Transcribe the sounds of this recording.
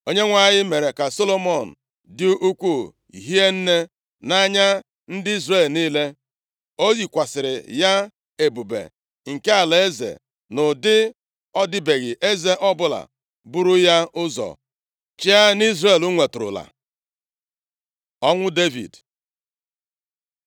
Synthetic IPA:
o˦ɲe˦ŋʷa˦˨ɲɪ˦me˨ɾe˨ka˨so˦lo˦mɔ˦˨n̩̰˨ | dɪ˦ʔu˦kʷu˦˨ | ḭ˨ɦi˦e˦n̩˦ne˦ | na˦ɲa˦ | n̩˦dɪ˦i˦zre˦˨lniː˦le˦ | o˦ji˨kʷa˨sɪ˨ɾɪ̰˨ja˦ | e˨bu˨bḛ˨ | ŋ̩˨ke˦a˨le˦zḛ˨ | nʊ˨dɪ˦ | ɔ˦dɪ˦be˨ɣɪ˨ʔe˦ze˦ʔɔ˦bʊ˦la̰˨ | bu˦ɾʊ˦ja˦ʊ˦zɔ̰˨ | t͡ʃɪ˦a˦ni˦zre˦˨lu˦ŋʷe˨tʊ˨ɾʊ̰˨la̰˨ | ɔ˦ŋʷʊ˦de˦vḭ˨d

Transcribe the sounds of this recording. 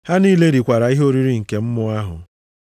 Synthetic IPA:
ha˦niː˦le˦ɾi˨kʷa˨ɾa˨˦i˦ɦo˦ɾi˦ɾi˦ŋ̩˨ke˨m̩˦mʊ˦a˦ɦʊ̰˨

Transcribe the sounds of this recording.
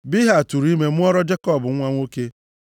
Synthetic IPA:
bi˦ɦa˨tu˨ɾi˦me˦m̩˦ɔ˦ɾɔ˦d͡ʒe˦kɔ˨bʊ˨ŋ̩˦ŋʷa˦ŋʷo˦ke˦

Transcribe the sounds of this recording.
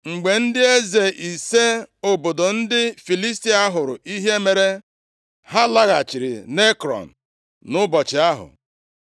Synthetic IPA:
ŋ͡m̩˨ɡ͡be˨n̩˦dɪ˦e˦ze˨ʔi˨se˦o˨bo˨do˨n̩˦dɪ˦fi˨li˦sti˦a˦ɦʊ˨ɾʊ̰˨ʔi˦ɦe˦me˨ɾe˦ | ha˦la˦ɣa˨t͡ʃi˨ɾḭ˨ne˦kɾɔ̰˨n̩˨ | nʊ˦bɔ˨t͡ʃɪ˨a˦ɦʊ̰˨

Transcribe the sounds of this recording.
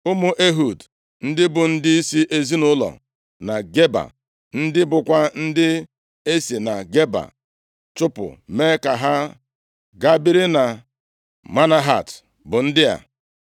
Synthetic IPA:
ʊ˦mʊ˦ʔe˦ɦu˨d | n̩˦dɪ˦bʊ˨n̩˦dɪ˦i˦si˦ʔe˨zi˦nʊ˦lɔ̰˨ | na˨ɡe˦ba̰˨ | n̩˦dɪ˦bʊ˨kʷa˦n̩˦dɪ˦ | e˦si˨na˨ɡe˦ba̰˨ | t͡ʃʊ˦pʊ̰˨me˦ka˨ɦa˦ | ɡa˦bi˦ɾɪ˦na˨ | ma˦na˦ɦa̰˨t | bʊ˨n̩˦dɪ˦a̰˨

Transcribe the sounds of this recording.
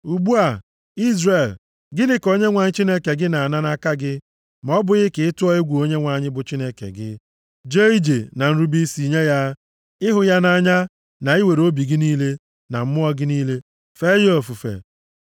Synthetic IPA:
u˨ɡ͡bu˦a˨ | i˦zre˨l | ɡɪ˦nɪ˦ko˦ɲe˦ŋʷa˨ɲɪ˦t͡ʃi˦ne˦ke˨ɡɪ˦na˨na˦na˦ka˦ɡɪ˦ | m˨ɔ˦bʊ˨ɣɪ˦kɪ˨ɪ˦tʊ˦ɔ˦ɪ˦ɡʷu˨o˦ɲe˦ŋʷa˨ɲɪ˦bʊ˨t͡ʃi˦ne˦kḛ˨ɡɪ̰˦ | d͡ʒe˦i˦d͡ʒe˨na˨n̩˦ɾu˦bi˦si˨ɲe˦ja˦ | ɪ˦ɦʊ˨ja˦na˦˨ɲa˦ | na˨i˦we˨ɾo˦bi˨ɡɪ˦niː˦le˦ | na˨m̩˦mʊ˦ɔ˦ɡɪ˦niː˦le˦ | fe˦jo˨fu˨fḛ˨

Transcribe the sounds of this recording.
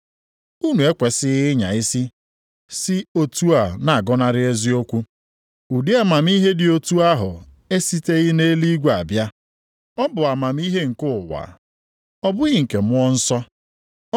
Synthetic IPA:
u˦nu˨e˦kʷe˨sɪ˦ɣɪ˦ɲa̰˨ɪ˦si˦ | sɪ˦o˨tu˦a˨na˨a˨ɡɔ˦na˦ɾɪ˦e˦zi˦o˦kʷu˦ | u˨di˦a˨ma˨m̩˦i˦ɦe˦dɪ˨o˨tu˦a˦ɦʊ̰˨ | e˦si˦te˦ɣɪ˦ne˦li˦ɡʷa˨bja˦ | ɔ˦bʊ˨a˨ma˨m˦i˦ɦe˦ŋ̩˨kʊ˦˨wa̰˨ | ɔ˦bʊ˦ɣɪ˦ŋ̩˨ke˨mʊ˦ɔ˦n̩˦sɔ˦

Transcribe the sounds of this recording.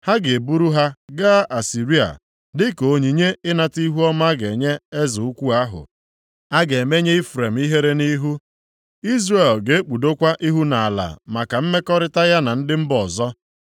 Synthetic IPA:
ha˦ɡe˨e˨bu˦ɾu˦ɦa˦ɡa˦ʔa˨si˨ɾi˦a̰˨ | dɪ˦ko˨ɲi˨ɲe˦ɪ˦na˨ti˦ɦu˦ɔ˦ma˦ɡe˨ɲe˦e˦zʊ˨u˦kʷu˦a˦ɦʊ̰˨ | a˦ɡe˨me˦ɲe˦i˦fɾe˨m̩˦i˦ɦe˦ɾe˦ni˦ɦu˦ | i˦zre˨lɡe˨e˦k͡pu˨do˦kʷa˦ʔi˦ɦu˦na˨a˨la̰˨ma˨ka˨m̩˦me˦kɔ˦ɾɪ˦ta˦ja˦na˨n̩˦dɪ˦m̩˦bɔ˨zɔ˦

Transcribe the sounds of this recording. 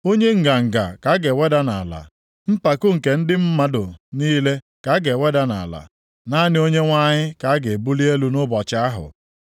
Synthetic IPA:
o˦ɲe˦ŋ̩˨ɡa˨ŋ̩˨ɡa̰˨ka˨˦ɡe˨wʷe˦da˦na̰˨la̰˨ | m̩˦pa˨kʊ˦ŋ̩˨ke˨n̩˦dɪ˦m̩˦ma˦dʊ˨niː˦le˦ | ka˨˦ɡe˨wʷe˦da˦na̰˨la̰˨ | na˦nɪ˦o˦ɲe˦ŋʷa˦ɲɪ˦ka˨˦a˦ɡe˨bu˦li˦e˦lu˦nʊ˦bɔ˨t͡ʃa˦ɦʊ̰˨

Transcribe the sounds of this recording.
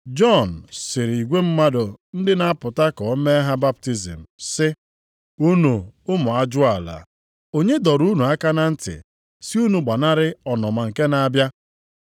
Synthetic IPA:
d͡ʒɔ˦˨n̩˨sɪ˨ɾi˨ɡʷe˦m̩˦ma˦do˨n̩˦dɪ˦na˦a˦pʊ˨ta˦kɔ˨˦me˦ɦa˦ba˦p̚ti˦zḭ˨m̩˨sɪ˦ | u˦nu˨ʊ˦mʊ˨a˦d͡ʒʊ˦a˨la̰˨ | o˨ɲe˦dɔ˨ɾu˦nu˨a˦ka˦na˦n̩˦tɪ̰˨ | si˦u˦nu˨ɡ͡ba˨na˦ɾɪ˦ɔ˨nɔ˨ma˨ŋ̩˨ke˦na˨a˦bja˦

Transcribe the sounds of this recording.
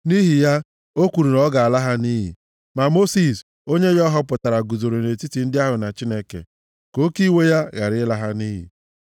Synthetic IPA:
ni˦ɦi˨ja˦ | o˦kʷu˨ɾu˨ɾɔ˦ɡa˨a˨la˦ɦa˦ni˦ɦḭ˨ | ma˨mo˦si˨s | o˦ɲe˦ɣɔ˦ɦɔ˦pʊ˨ta˨ɾa˨ɡu˨zo˨ɾo˨ne˨ti˦ti˨n̩˦dɪ˦a˦ɦʊ˨na˨t͡ʃi˦ne˦kḛ˨ | ko˦ki˦we˦ja˦ɣa˨ɾɪ˦la˦ɦa˦ni˦ɦḭ˨

